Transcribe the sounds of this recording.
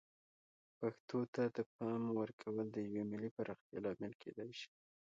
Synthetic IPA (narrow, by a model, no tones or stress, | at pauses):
paxt̪ot̪ad̪əp̚ɑmwəɾkʰawəld̪əjawemɪlipaɾɑxt̪jɑ̰lɑmɪlkʰḛd̪ajʃi̥